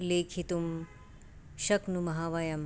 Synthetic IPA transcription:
leːkʰit̪um | ʃɐknumɐɦaːʋɐjɐm

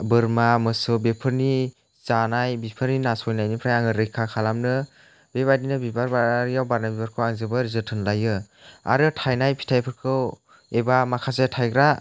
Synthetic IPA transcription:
bɯɾmamɯsɯbepʰɯɾni | zanajbipʰɯɾninasɔjnajnipʰɾajaŋɯɾɯjkʰakʰalamnɯ | beβadinɯbibaɾbaɾjawbaɾnabibaɾkʰɯwaŋzɯbɯɾzɯtʰɯnlajɯ | a̰ɾɯtʰajnajpʰi̥tʰajpʰɯɾkʰɯw | ebamakʰazetʰajɡɾa

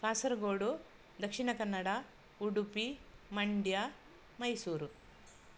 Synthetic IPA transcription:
kaːsɐɾɡoːɽu | d̪ɐkʂiɳɐkɐnːɐɽɐ | uɽupimɐɳɖja | mɐjsuːɾu

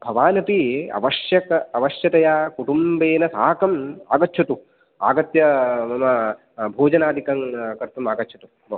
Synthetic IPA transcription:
bʱɐʋaːnɐt̪iɐ̰ʋɐʂjɐkɐɐʋɐʃjɐt̪ɐjaːkuʈumbeːnɐsaːkɐma̰ːɡɐtːt͡ʃʰɐt̪u | a̰ːɡɐt̪jɐmɐmɐ | bʱoːd͡ʒɐnaːd̪ʱikɐŋkɐɾt̪ɐmaːɡɐtːt͡ʃʰɐt̪u

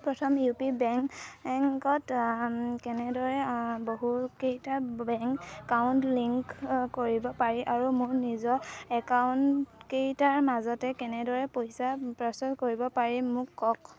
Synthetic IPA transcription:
pɹɔtʰɔmjupibɛŋkŋkɔt | kɛnɛdɔɹɛboɦukejtabɛŋkːawʊntliŋkkoɹibɔpaɹiʔaɹumʊɹnizɔɛkawnkejtaɹmazɔtɛkɛnɛdɔɹɛpojsapɹɔsɔtkoɹibɔpaɹimʊkːɔk

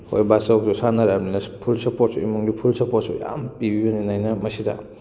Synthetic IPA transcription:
ho̰jbasawkdusanaɾaninɐpʰulsɐpot̚suimuŋɡipʰulsɐpot̚suja̰mpibibeninajnɐmɐsidɐ̰

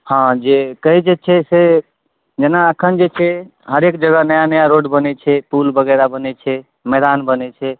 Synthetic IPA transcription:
hãd͡ʒekəd͡ʒet͡ʃʰɛse | d͡ʒenaəkʰənd͡ʒet͡ʃʰɛ | ɦəɾekd͡ʒəɡənəjanəjaɾoɖbənɛt͡ʃʰɛpulbəɡəɾabənɛt͡ʃʰɛ | mɛd̪anbənɛt͡ʃʰɛ

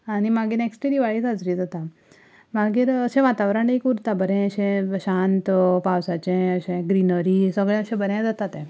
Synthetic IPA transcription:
aɽ̃imaɡiːɾneksʈiɾiʋaɭid͡zad͡zɾid͡zat̪a | maɡiːɾəɕɛ̃ʋat̪aʋɾaɳekuɾt̪abəɾɛ̃əɕẽɕant̪pawsat͡ɕẽəɕẽɡɾinəɾisəɡɭjãəɕɛ̃bəɾjãd͡zat̪at̪ẽ

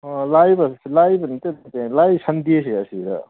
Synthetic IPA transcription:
ɔlajbɐlajbɐnit̪ent̪elajsɐndieseɐsiɾa̰

